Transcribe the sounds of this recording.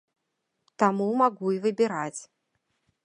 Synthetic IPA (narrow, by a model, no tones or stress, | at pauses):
t̪amumaɣuivɨbʲɪɾat͡sʲ